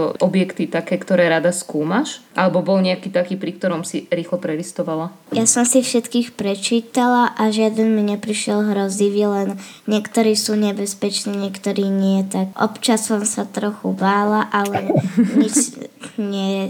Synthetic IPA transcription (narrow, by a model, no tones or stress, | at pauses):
ɔʔɔbjɛkt̪it̪akɛːkt̪ɔɾɛːɾad̪askuːmaʃʔalɛbɔbɔlɲɛakiːt̪akiːpɾik̚t̪ɔɾɔmsiɾiːxlɔpɾɛlist̪ɔʋala | jasɔmsifʃɛt̪kiːxpɾɛt͡ʃiːt̪alaʔaʒɪad̪ɛnmiɲɛpɾiʃɪɛlɦɾɔziʋiɛlɛn | ɲɪɛkt̪ɔɾiːsuːɲɛbɛspɛt͡ʃniːɲɛkt̪ɔɾiːɲɛjɛt̪akʔɔ̰pt͡ʃasɔmsat̪ɾɔxubaːlaʔalɛɲit͡ʃɲɛ